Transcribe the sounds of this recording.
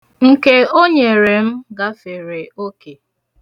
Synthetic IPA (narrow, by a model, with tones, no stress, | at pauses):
ŋ̩˨ke˦o˦ɲe˨ɾe˨m̩˦ɡa˦fe˨ɾe˨o˦ke˨